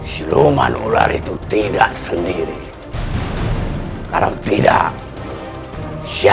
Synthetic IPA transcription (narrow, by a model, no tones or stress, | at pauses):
silomanulaɾit̪ut̪idaʔsəndiɾi | kaɾat̪idaʔ | sia